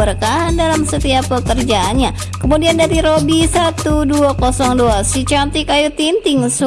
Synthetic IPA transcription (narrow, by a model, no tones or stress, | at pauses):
ərkaɦandalamsət̪iapːəkərd͡ʒaːnɲa | kəmudiandaɾiɾobisat̪uduakɔsɔŋdoasit͡ʃamt̪ikajut̪int̪ɪŋs